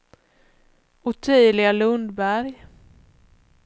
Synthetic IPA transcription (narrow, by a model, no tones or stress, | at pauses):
ɔt̪ʰyːlɪɡalɵnd̪bæɾj